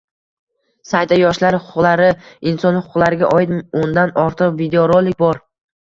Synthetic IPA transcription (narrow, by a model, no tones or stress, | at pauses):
sajt̪ajɒʃlaɾhʊqʰʊqlˠaɾɪɪnsɒnhʊqʰʊqlˠaɾɪɡʲa̰ʔɒjɪt̪ʊnd̪anɒɾt̪ʰɨqvid̪eoɾolˠːɪk̚ʲbɒɾ